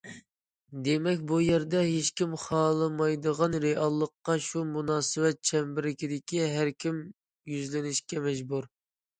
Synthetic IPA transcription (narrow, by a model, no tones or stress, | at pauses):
d̪emɛkʲbujɛɾd̪ɛɦeʃkʲimχɑːlˠɨmɑjd̪əʁɑnɾeʔɑlˠːəqːɑʃumunɑːsɨwɛt̪̚t͡ʃʰɛmbɪɾɪkʲid̪ɪkʲiɦæɾkʲim | jyzlɪnɪʃkʲɛmɛd͡ʒbuɾ